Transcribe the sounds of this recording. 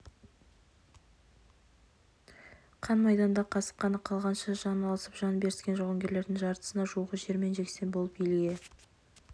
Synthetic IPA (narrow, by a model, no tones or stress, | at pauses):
qʰɑnmɑjd̪ɑnd̪ɑqʰɑsə̥qːɑnəqʰɑlˠʁɑnʃəʒɑnɑlˠɑsəpʒ̥ɑnbe̞ɾɪskʲe̞nʒoʁəŋɡʲe̞ɾle̞ɾd̪ɪŋʒɑɾt̪ə̥sənɑʒuʁəʒe̞ɾme̞nʒe̞kse̞nbo̞lˠəp̚bijlɪɡʲe̞